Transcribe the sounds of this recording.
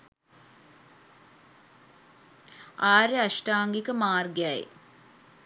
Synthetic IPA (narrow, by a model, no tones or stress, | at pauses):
aːɾeaʃʈaːŋɡikəmaːrɡjaḛ